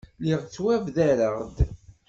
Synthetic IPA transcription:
liʁt͡sːwævðæɾəʁd̪

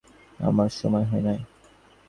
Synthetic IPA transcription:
a̰maɾʃɔmɔeɦɔenaj

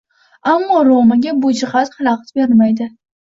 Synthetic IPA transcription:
amːɒɾomaɡʲabʊd͡ʒɪχat̪hɨlˠaqt̪beɾmajd̪ɪ

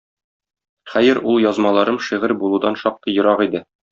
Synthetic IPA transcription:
χæjɘɾulˠjɒzmɑlˠɑɾɤmʃiʁɘɾbulˠud̪ɑnʃɒq̚t̪ɤjŏɾɑʁid̪ɘ

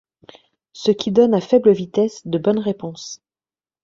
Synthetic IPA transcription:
səkʲʰid̪ɔnafɛbləvit̪ɛsd̪əbɔnʁepɔ̃s

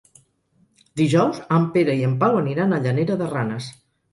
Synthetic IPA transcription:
d̪iʒɔwzəmpeɾəiəmpawəniɾanəʎəneɾəðəranəs

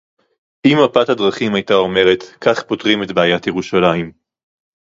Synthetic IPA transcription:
ʔimapathadʁaχimajtao̞me̞ʁe̞t̪kaχpo̞tʁime̞tbaːjatjeʁuʃalaim

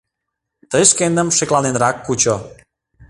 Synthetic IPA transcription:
t̪əjʃkend̪əmʃeklɑnenɾɑkːut͡ɕo

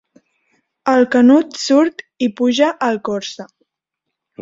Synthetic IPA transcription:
əlˠkənut̪suɾt̪ipuʒəʔəlˠkɔɾsə

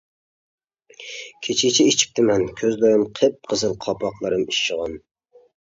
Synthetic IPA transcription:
kʲʰet͡ʃʰɪt͡ʃʰiit͡ʃʰi̥p̚t̪ʰɪmɛnkʲʰøzd̪ojɑmqʰəp̚qʰəzɨlˠqʰɑpʰɑqlˠɨɾɨmiʃːəʁɑn

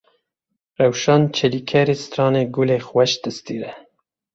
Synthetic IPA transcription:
ɾawʃɑnt͡ʃʰəlikʰɛɾist̪ɾɑːneɡulexwɛʃt̪əst̪iɾɛ

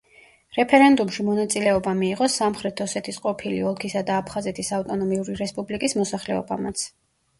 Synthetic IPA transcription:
ɾɛpʰɛɾɛnd̪umʃimɔnat̪sʼilɛɔbamiːʁɔsamχɾɛt̪ʰɔsɛt̪ʰisqʼɔpʰilḭɔlˠkʰisad̪aːpʰχazɛt̪ʰisaft̪ʼɔnɔmiuɾiɾɛspʼublikʼismɔsaχlɛɔ̰ba̰mat̪sʰ

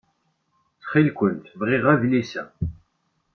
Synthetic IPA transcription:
t͡sχilkʷənt̪vʁɪʁævlisæ

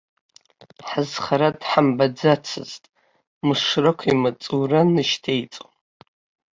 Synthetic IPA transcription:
ħazχaɾadħambad͡zat͡sʰɨ̰ztʼ | mɨʂrakʷʰimat͡sʼuranɨʃtʰejt͡sʼo

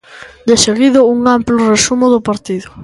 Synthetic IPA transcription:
d̪eseɣiðʊuŋamplʊresumʊðʊpaɾt̪iðʊ

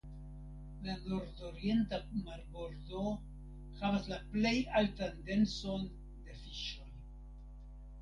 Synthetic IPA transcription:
lano̞ɾdoɾie̞ntamaɾbo̞ɾdo̞ | havaslaple̞jaltande̞nso̞n | de̞fiʃo̞j

